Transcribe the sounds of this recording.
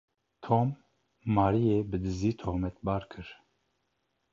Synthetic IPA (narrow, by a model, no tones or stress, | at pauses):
t̪ʰoːmː | ɑːɾijeːbɨd̪ɨziːt̪ʰoːɣmɛt̪̚bɑːɾkʰɨɾ